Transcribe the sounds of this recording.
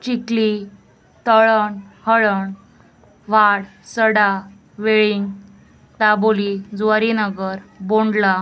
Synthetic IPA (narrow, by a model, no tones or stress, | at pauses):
t͡ɕikli | t̪əɭəɳhəɭəɳ | ʋaɽsəɽa | ʋeɭiŋɡ | ʈ̪abolid͡zʋaɾinəɡəɾboɳɖla